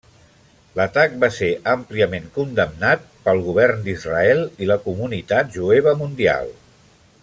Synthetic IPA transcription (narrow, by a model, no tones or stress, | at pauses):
lət̪ak̚baseʔəmpliəmeŋkund̪əmnat̪̚pəlˠɣuβ̞ɛrnd̪izrəɛlˠiləkumunit̪at̪̚ʒueβ̞əmund̪ia̰lˠ